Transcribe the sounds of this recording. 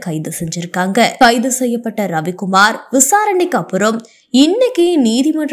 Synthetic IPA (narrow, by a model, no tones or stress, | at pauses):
kɐɪðɯsɛɲd͡ʒɪɾɯkːaːŋɡɐkɐɪðɯsɛjːɐpːɐʈːɐɾɐʋɪkːʊmaːɾʋɪsaːɾɐɳɪkːɐpːɯɾɐm | ɪnːɐkːiniːðɪmɐɳr